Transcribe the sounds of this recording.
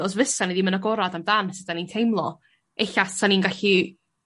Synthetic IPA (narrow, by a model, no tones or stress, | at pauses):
ɔs̬vəsanidimənaɡɔɾadamdansɪd̥anintʰejmlˠɔ | eɬastʰaninɡaɬi